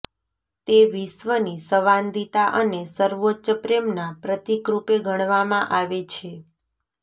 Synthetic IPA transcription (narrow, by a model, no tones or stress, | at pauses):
t̪eʋisʋənisəʋand̪it̪aʔənesəɾʋotːʃəpɾemnapɾət̪ikɾupeɡʱəɽ̃ʋamãʔaʋet͡ʃʰe